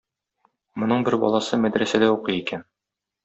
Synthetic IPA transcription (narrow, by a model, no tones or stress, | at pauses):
mŏnɤɴbɘɾbɒ̰lˠɑsɤmæd̪ɾæsæd̪æuqɤjikæn